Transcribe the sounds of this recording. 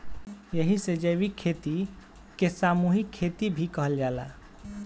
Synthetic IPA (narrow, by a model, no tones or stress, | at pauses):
jəɦised͡ʒəbikʰːet̪i | kesamuɦikʰːet̪ibʱikəɦəld͡ʒala̰